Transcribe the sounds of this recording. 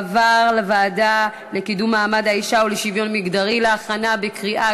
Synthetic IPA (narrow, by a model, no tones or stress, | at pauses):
vaʁlevaːda | lekid̪umːaːmad̪haiʃauleʃivjo̞nmiɡd̪aʁileaχanabekʁiʔa